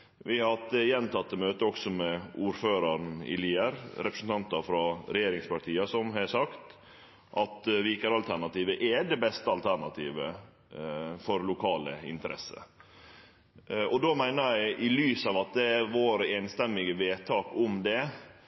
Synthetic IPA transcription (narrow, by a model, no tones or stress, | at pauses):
ʋɪhɑt̪ːəjɛnt̪ʰɑt̪ːəmøːt̪əɔksɔmɛuːɾføːɾɑɾnɪ̰liːəɾɾɛpɾəsn̩t̪ɑnt̪ɑfɾɑɾɛjeːɾɪŋspɑʈʰiːəsɔmɦɑsɑkt̪ | ʔɑt̪ʋiːkəɾɑlt̪ʰæɳɑt̪iːʋəʔɛɖ̪ɛbɛst̪əɑlt̪ʰæɳɑt̪ʰiːʋə | fɔɾlʊkʰɑːlə̰ɪ̰nt̪əɾɛ̰sːə̰ | ɔd̪omæɪnəæɪʔɪlyːsɑːʋɑt̪̚d̪ɛæɾʋoːɾəeːnst̪ɛmːɪɡəʋeːt̪ʰɑːkʊmd̪ɛ